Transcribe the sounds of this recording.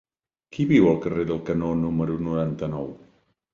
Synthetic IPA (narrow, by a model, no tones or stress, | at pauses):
kʰiβiwəlˠkəreðəlˠkənonuməɾunuɾant̪ənɔw